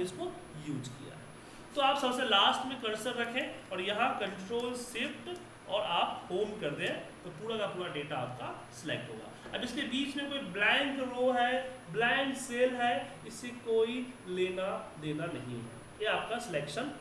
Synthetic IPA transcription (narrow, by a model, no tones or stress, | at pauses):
ɪsko | juːd͡ʒkḭja̰ɦɛ̰ː | t̪oaːpsɐbselaːsʈmẽkɐɾsəɾːɐkʰẽɔːɾjɐɦãkɐ̃ɳʈɾoːlsɪfʈ | ɔːɾaːphoːmkɐɾd̪ẽt̪opuːɾakapuːɾaɖeːʈaaːp̚kasɪlḛːk̚ʈɦo̰ːɡa̰ːɐbɪskebiːt͡ʃmẽkoːiblɛ̃ːŋkɾoːɦɛːblɛ̃ːŋkseːlɦɛːɪsːekoːileːnad̪eːnanɐɦḭ̃ɦɛ̰ː | jeaːp̚kasɪleːkʃən